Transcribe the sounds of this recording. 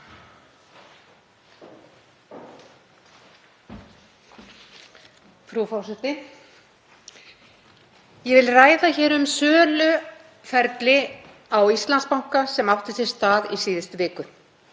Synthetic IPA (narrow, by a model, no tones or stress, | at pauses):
fɾufɔwsɛht̪ɪ | jɛvɪlraːjðaçɛːɾʏmsœːlʏ | fɛɾt̪lɪ | awist̪lanspawŋ̥kasɛmawht̪ɪsɛ̥st̪aːðisiːðɪst̪vɪːkʏ